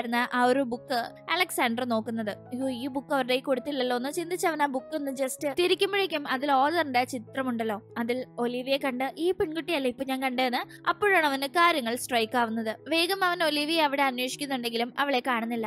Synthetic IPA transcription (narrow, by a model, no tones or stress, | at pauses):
ɾunːɨʔɐoɾubukːɨɐlɐksaːɳɖrno̞ːkːunːɐðɨioːiːbukːɐʋɐɾɨɽeiko̞ɽut̪ːilːɐlːo̞ːnːɨt͡ɕind̪it͡ɕːɐʋɐnaːbukːenːɨd͡ʑestɨt̪iɾikʲːumbeɽikʲːumɐðilo̞ːðɐrɨɳɖet͡ɕit̪rɐmuɳɖɐlːo̞ːɐðilo̞liʋijekɐɳɖɨʔiːpeɳkuʈːijɐlːɐipːoːɲaːnkɐɳɖenːɨ | ɐpːoːɻaːɳɐʋɐnɨkaːɾjɐŋːɐɭsʈrɐjkːaːʋunːɐðɨʋe̞ːɡɐmɐʋɐno̞liʋijeɐʋiɽe̞ɐnwe̞ːʂi̥kʲːunːuɳɖe̞ŋɡilumɐʋiɭe̞kːaːɳunːilːɐ